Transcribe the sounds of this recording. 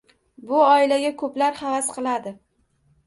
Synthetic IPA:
bʊɒɪlaɡʲakʰɵplaɾhavasqʰɨlˠad̪ɪ

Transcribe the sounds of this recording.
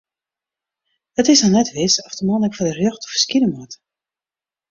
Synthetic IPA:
ətɪsnɔnɛtʋɪsɔfdəmɑnəkfɔdərjøxtɔ̥fə̥skidəmɔt

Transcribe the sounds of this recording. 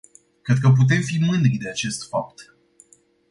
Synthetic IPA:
kɾe̞d̪̚kəp̬ut̪̬e̞mfimɨnd̪ɾid̪e̞at͡ʃe̞st̪fap̚t̪

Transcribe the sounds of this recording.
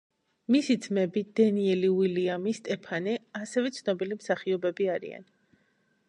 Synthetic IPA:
misid̪zmɛbid̪ɛniɛliuiliamist̪ʼɛpʰanɛasɛvɛt̪sʰnɔbilimsaχiɔbɛbiaɾḭa̰n

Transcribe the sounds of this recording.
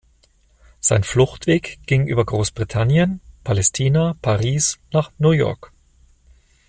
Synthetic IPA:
z̥aɪnflʊxtv̥eːkɡ̥ɪŋʔyːbɐɡʁoːsb̥ʁitʰanjənpʰalɛstʰiːnapʰaʁiːsnaːχnujɔ̰ɐk

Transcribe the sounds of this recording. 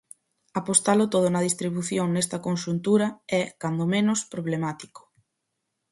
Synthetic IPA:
apost̪alʊt̪oðʊnɐðist̪ɾiβuθjoŋnɛst̪ɐkonʃunt̪uɾɐɛkand̪omẽnʊspɾoβ̞lemat̪i̥ko̥

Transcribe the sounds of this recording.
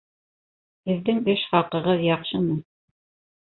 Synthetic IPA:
hɘ̆ðːɘŋɘʃχɑqɤ̆ʁɤðjɑqʃɤmɤ

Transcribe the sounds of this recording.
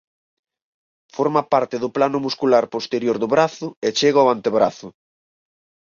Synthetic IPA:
foɾmapaɾt̪ɪðʊplanʊmuskulaɾpost̪eɾjoɾðʊβɾaθʊet͡ʃeɣoant̪eβɾaθʊ

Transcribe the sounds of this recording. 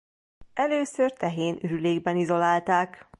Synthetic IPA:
ɛløːsørt̪ɛɦeːnyɾyleːɡbɛnizo̞laːlt̪aːk

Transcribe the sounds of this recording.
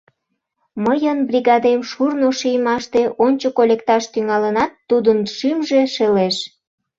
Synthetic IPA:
məjənbriɣɑd̪emʃurnoʃijmɑʃt̪e̽ʔonʲt͡ɕokolʲek̚t̪ɑʃt̪yŋɑlənɑt̪ːud̪ənʃymʒeʃeleʃ

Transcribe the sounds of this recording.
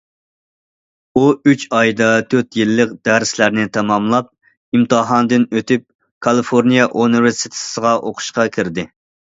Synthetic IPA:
uyt͡ʃɑjd̪ɑt̪ʰøt̪jilːəqd̪æɾslæɾnɪt̪ʰɑmɑmlˠɑp̚ | imt̪ɨɦɑnd̪ɨnøt̪yp̚ | kʰɑlˠɨfoɾnijɑʔuniveɾsit̪ʰɪ̥səʁɑʔoqʰʊ̥ʃqɑkʲʰiɾd̪ɪ

